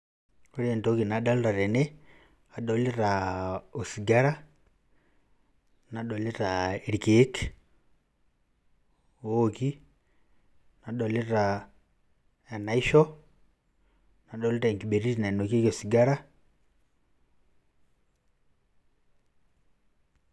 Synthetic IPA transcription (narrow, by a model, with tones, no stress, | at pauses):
o˦ɾe˨nto˦ki˨na˨da˦lɾa˨ɾɛ˨ne | a˨ɗo˨le˦ɾao˨si˨ɡa˦ɾa˦ | na˨ɗo˨le˦ɾaeɾi˨keː˦k | o˦ki˦ | na˨ɗo˨le˦ɾa | e˨na˨i˦ʃɔ˦ | na˨ɗo˦li˦ɾa˨i˨ŋki˨ɓe˨ɾi˦ti˨na˨no˨ke˦ko˨siɡa˦ɾa˦